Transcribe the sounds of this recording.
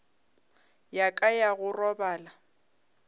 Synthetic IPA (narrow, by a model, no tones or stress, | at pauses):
jakʼajaɣʊrɔbaːla